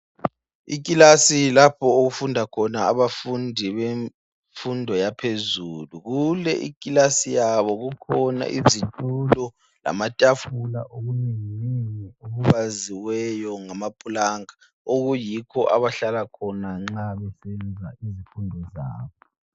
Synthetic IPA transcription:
ḭk̬ʼilasilapʰɔoɣufundʱakʰɔnaːβafundʱiβe | fundʱɔjapʰezuluɣulɛ̰ʔḭkʼilasijaβɔɣukʰɔna̰ʔizitʼulɔ | la̰matʼafulaʔoɣuniŋninioβuβaziwɛjɔŋamapʼulaŋa | oɣujikʰɔʔa̰βaɬalakʰɔnaŋ͡ǁaβɛsɛnd͡zʱaizifundʱɔzaːβɔ

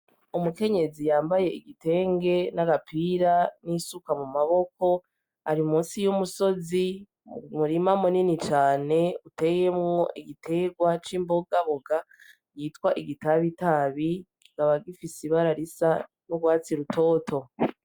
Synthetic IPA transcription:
umuke̞ɲe̞zijaːmbaje̞iɡite̞ːŋɡe̞naɡapʰiːɾanisukamumaβo̞ko̞ | aɾimũːnsijumuso̞zi | muɾimamuninit͡ʃaːne̞ute̞je̞mŋoʔiɡitʰe̞ɡwat͡ʃiːmbo̞ɡaβoɡa | jiːtkwaʔiɡitaβitaβi | ɡaβaɡifisiβaɾaɾisa | noɡwaːt͡siɾutʰo̞ːtʰo̞

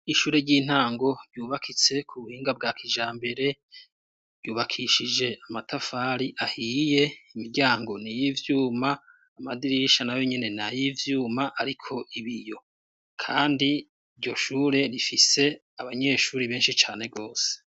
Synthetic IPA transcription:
iʃuːɾe̞ɟiːn̥haːŋɡo̞ɾɟuːβakʰit͡se̞kʰuβuhiːŋɡab̚ɡaːkʰiʒaːmbe̞ɾe̞ | ɾjuːβakʰiʃid͡ʒe̞amatafaɾiʔahiːje̞imiɾɟaːŋɡo̞nijivjuːmaː | madiɾiʃanajo̞ɲene̞najivjuːmaʔaɾikʰo̞ʔiβijo̞ | kʰaːndi | ɾɟo̞ʃuːɾe̞ɾifise̞ | aβaɲe̞ːʃuːɾiβe̞ːnʃit͡ʃaːne̞ɡo̞ːse̥

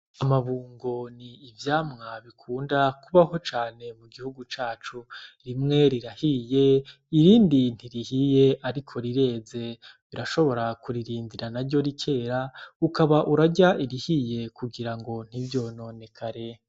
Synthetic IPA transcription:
amaβuːŋɡo̞niːvjaːmŋaβikʰuːndakuβaho̞t͡ʃaːne̞muɡihuɡut͡ʃaːt͡ʃuɾimŋe̞ɾiɾahije̞ | iɾiːndin̥iɾihije̞ʔaɾikʰo̞ɾiɾe̞ːze̞βiɾaʃo̞βo̞ɾakuɾiɾiːndiɾanaɾɟo̞ɾikʰe̞ːɾaukaβaʔuɾaɟaʔiɾihije̞kuɡiɾaŋɡo̞n̥hivjo̞no̞ːne̞kʰaɾe̞

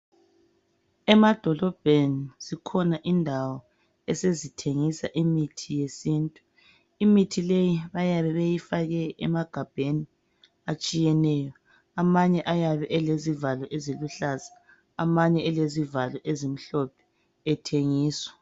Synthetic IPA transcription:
ɛmad̥ʱɔlɔb̥ʱeniz̥ikʰɔnaʔindʱawɔ | ɛsezitʰeŋisaʔimitʰijesiːntʼu | imitʰilejiβajaβɛβejifaɣɛɛmaɡ̥ʱab̥ʱeni | at͡ʃʼijɛnɛjɔ | amaɲɛʔajaβɛʔɛlezivalɔʔeziluɬaza | amaɲɛɛlezivalɔʔezim̩ɬɔpʰɛ̥ | ɛtʰeŋiːswḁ

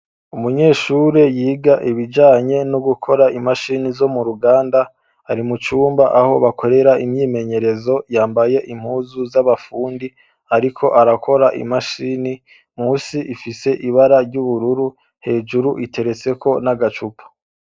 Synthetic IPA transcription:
umuɲe̞ːʃuːɾe̞jiːɡaʔiβid͡ʒaːɲe̞noɡukʰo̞ɾaimaʃinizo̞muɾuɡaːndaː | ɾimut͡ʃuːmbaʔaho̞βakʰo̞ɾe̞ɾaimɲiːme̞ɲe̞ɾe̞zo̞jaːmbaje̞ʔim̥huːzuzaβafuːndi | aɾikʰo̞ʔaɾakʰo̞ɾaʔḭmaʃini | muːsiʔifise̞ʔiβaɾaɾɟuβuɾuɾu | he̞ːd͡ʒuɾuʔitʰe̞ɾe̞t͡se̞kʰo̞naɡat͡ʃupʰu̥

